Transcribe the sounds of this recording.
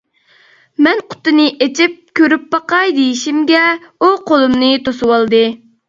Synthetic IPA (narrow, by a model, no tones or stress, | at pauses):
mɛnqʰʊ̥t̪ɨnɨʔet͡ʃʰip̚kʲøɾypbɑqɑjd̪ejiʃimɡʲɛuqolˠumnɨt̪osɨwɑlˠd̪ɨ